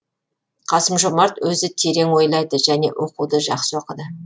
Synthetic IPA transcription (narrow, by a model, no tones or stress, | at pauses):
qʰɑsəmʒomɑɾt̪wɵzɪt̪ʰe̞ɾe̞ŋwo̞jlˠɑjd̪əʒæne̞̰ʔwʔoqud̪əʒɑqsəwoqəd̪ə